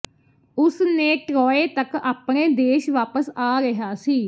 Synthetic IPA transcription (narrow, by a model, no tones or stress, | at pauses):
ʊsneːʈɾɔːeːt̪əkaːpɳeːd̪eːʃʋaːpəsaːɾɪɦaːsiː